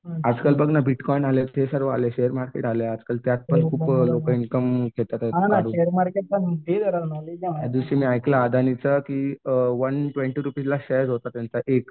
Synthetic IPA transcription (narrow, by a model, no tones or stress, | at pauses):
ad͡zkəlbəɡnabiʈkɔinalet̪esəɾʋaaleɕeɦəɾmaɾkḛʈalead͡zkəlt̪jat̪̚pənkʰuːplokəinkəmkʰet̪at̪aanaɾueəɾmaɾkeʈ̚pənued̪əɾəʋnalejjad̪uɕimiːajklaːd̪ʱanit͡səkiːʋənʈʋẽɳʈiɾupilaɕejd͡zɦot̪at̪jant͡saʔek